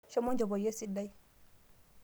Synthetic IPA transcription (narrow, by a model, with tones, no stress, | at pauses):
ʃɛ˦mɔ˦d͡ʒɔ˨bɔ˨je˦si˦da˦j